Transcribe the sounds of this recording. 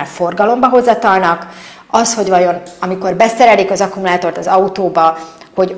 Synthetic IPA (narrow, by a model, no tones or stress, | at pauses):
ɱfo̞rɡɒlo̞mbɒɦo̞zːɒt̪ɒlnɒk | ɒsho̞ɟvɒjo̞nɒmiko̞rbɛsɛɾɛlikɒzɒkumulaːt̪o̞rt̪ɒzɒut̪oːbɒ | ho̞ɟ